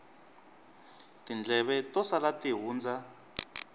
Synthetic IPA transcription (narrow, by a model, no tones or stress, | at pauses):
tind͡ɮʱɛβɛtɔsalatiɦuːnd͡zʱa